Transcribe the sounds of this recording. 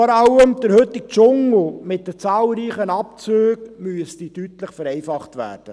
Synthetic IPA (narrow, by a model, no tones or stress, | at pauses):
ɔɾɑlːəmd̥̪əɾhɵt̪ːɪk̚t͡ʃʊŋl̩mɪt̚d̥ət͡sɑːlˠɾiːχənɑp̚t͡søːɡmyəstitytləχfəɾɛɪfɑχtʋæ̰ːrd̥ə